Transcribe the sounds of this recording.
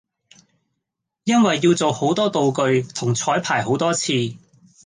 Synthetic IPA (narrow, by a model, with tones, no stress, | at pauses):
jɐ˥nwɐ˨jːiː˧wt͡so˨who˨˥wt̪ɔː˥t̪o˨wkɵ˧ɥt̪ʰʊ˨˩ŋt͡sʰɔː˨˥jpʰaː˨˩jɦo˨˥wt̪ɔː˥t͡sʰiː˧